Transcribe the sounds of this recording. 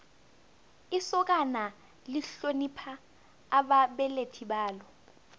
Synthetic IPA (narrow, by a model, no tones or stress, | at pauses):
isɔk̬ʼana | liɬonipʰaː | ɓaɓɛletʰiɓaːlɔ